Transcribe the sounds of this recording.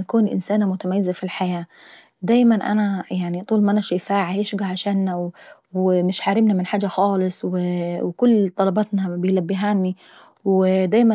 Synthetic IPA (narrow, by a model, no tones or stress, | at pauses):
nakuːnʔɪ̰nsaːnamʊt̪amajːɪzafilħajaː | d̪aːjmanʔa̰najaʕnit̪ˤuːlmaʔanaʃɪfaːʕajɪʃɡaʕaʃaːnːaw | wɪmɪʃħaːɾɪmnamɪnħaːd͡ʒːaxɑːlɨsˤwɪwkʊlːt̪ˤɑlɑbɑt̪nabɪjlabːɪɦaːnːi | wɪd̪aːjma